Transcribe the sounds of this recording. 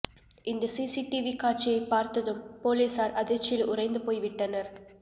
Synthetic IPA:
ʔɪnd̪ɐsiːsiʈiʋikaːʈ̚t͡ʃːɪjɐɪpːaːɾt̪ɐðɯmpoːliːsaːɾɐðɪt͡ʃːɪɪlʔʊrɐɪnd̪ɯpoːjʋɪʈːɐnɐɾ

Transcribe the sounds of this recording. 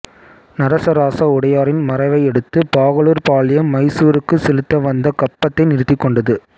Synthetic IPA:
nɐɾɐsɐɾaːsɐʊɽɐjaːɾɪnmɐɾɐɪʋɐɪɛɽɯt̪ːɯpaːɣɐɭuːɾpaːlɪjɐmːɐɪsuːɾɯkːɯsɛlɯt̪ːɐʋɐnd̪ɐkɐpːɐt̪ːɐɪnɪɾɯt̪ːɪkːɔɳɖɐðɯ

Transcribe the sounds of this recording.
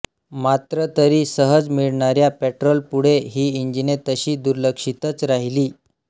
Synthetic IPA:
mat̪ɾət̪əɾiːsəɦəd͡zmiɭɳaɾjapɛʈɾolpuɽ̤eɦiːiɲd͡ʑinet̪əɕiːd̪uɾləkʂit̪ət͡sɾaɦiliː

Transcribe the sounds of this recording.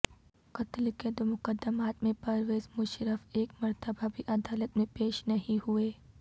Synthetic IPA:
kɐt̪lked̪omʊkəd̪ːəmaːt̪mẽpɐɾʋeːzmʊʃɾəfeːkmɐɾt̪əbabʱiʔɐd̪aːlət̪mẽpeːʃnɐɦĩɦueː

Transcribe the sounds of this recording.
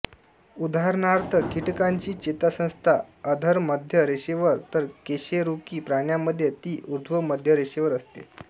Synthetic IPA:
ud̪aɦɾnaɾt̪ʰəkiʈkaɲt͡ɕiːt͡ɕet̪asə̃st̪ʰaəd̪ʱəɾməd̪ʱjəɾeɕeʋəɾt̪əɾkeɕeɾukiːpɾaɳjaməd̪ʱːjet̪iːʔuɾd̪ʱʋəməd̪ʱjəɾeɕeʋəɾəst̪ḛ

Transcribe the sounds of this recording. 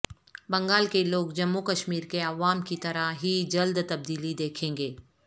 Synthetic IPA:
bɐ̃ŋɡaːlkeloːɡd͡ʒɐmːukəʃmiːɾkeɐʋaːmkit̪ɐɾaɦid͡ʒɐld̪t̪ɐb̚d̪iːlid̪eːkʰẽːŋɡeː

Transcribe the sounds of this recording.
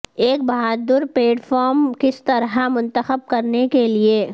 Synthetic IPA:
eːk̚bɐɦaːd̪ʊɾpleːʈfʰɔːɾmkɪst̪ɐɾɦamʊ̃nt̪əxəb̚kɐɾnekelieː

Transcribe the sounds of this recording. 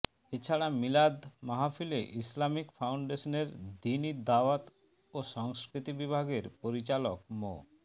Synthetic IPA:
et͡ɕʰaɽamilad̪maɦafileʔislamikfawɳɖeʃoneɾd̪inid̪awat̪ | oʃɔŋskɾit̪ibibʱaɡeɾpoɾit͡ɕalokmo̰

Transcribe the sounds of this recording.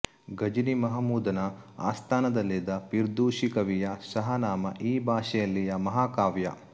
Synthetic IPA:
ɡɐd͡ʒinimɐɦɐmuːd̪ɐnɐ | a̰ːst̪ʰaːnɐd̪ɐlːid̪ɐpiɾd̪uːʃikɐʋijɐsɐɦɐnaːmɐ̰ʔiːbʱaːʃɛjɐlːijɐmɐɦaːkaːʋjɐ̰

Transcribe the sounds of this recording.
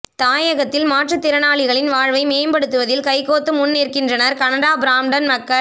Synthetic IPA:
t̪aːjɐɣɐt̪ːɪlmaːʈrɯt̪ːɪɾɐnaːɭɪɣɐɭɪnʋaːɻʋɐɪmeːmbɐɽɯt̪ːɯʋɐðɪlkɐɪkːoːt̪ːɯmʊnːeːrkɪndrɐnɐɾkɐnɐɽaːbɾaːmɖɐnmɐkːɐɾ

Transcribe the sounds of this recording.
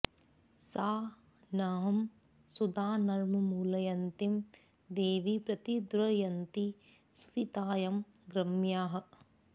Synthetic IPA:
saː | naːɦɐm | sud̪aːnɐɾmɐmuːlɐjɐnt̪im | d̪eːʋipɾɐt̪id̪ɾɐjɐnt̪i | su̥fit̪aːjɐm | ɡɾɐmjaːɦɐ̆

